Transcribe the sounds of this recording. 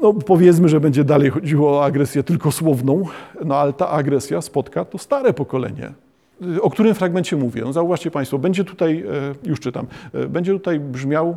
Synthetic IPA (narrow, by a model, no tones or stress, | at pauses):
nɔpɔvʲjɛt̪smɘʐɛbɛɲd͡ʑɛd̪alɛjxɔd͡ʑiwɔːaɡɾɛsʲjɛt̪ɘlkɔswɔvnɔ̃w̃nɔalɛt̪a̰ʔaɡɾɛsʲjaspɔt̪kat̪ɔst̪aɾɛpɔkɔlɛ̰ɲɛ̰ | ɔk̚t̪uɾɘmfɾaɡmɛnt͡ɕɛmuvʲjɛ̰nɔzauvaʂt͡ɕɛpaj̃st̪fɔbɛɲd͡ʑɛt̪ut̪ajjuʂt͡ʂɘt̪a̰mbɛɲd͡ʑɛt̪ut̪ajbʐmʲaw